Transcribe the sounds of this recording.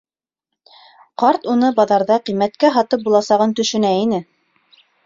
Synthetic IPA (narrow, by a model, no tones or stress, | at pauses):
qɑɾt̪unɤbɑðɑɾðɑqimːæt̪kæɦɑt̪ɤp̚bulˠɑsɑʁɤnt̪ɵ̆ʃɵ̆næinɘ